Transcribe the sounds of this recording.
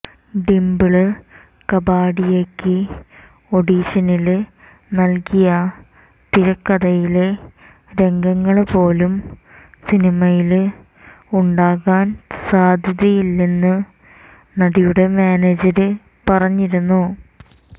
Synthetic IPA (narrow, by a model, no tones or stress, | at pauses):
ɖimbɨɭɨ | kɐbaːɽijekːɨ | o̞ɽiːɕɐnil | nɐlkijɐ | t̪iɾɐkːɐðɐjile | ɾe̞ŋɡɐŋːɐɭpo̞ːlum | sinimɐjil | uɳɖaːɣaːnsaːd̪ʱjɐðɐjilːenːɨ | nɐɽijuɽe̞maːneːd͡ʑɐɾɨ | pɐrɐɲːiɾunːu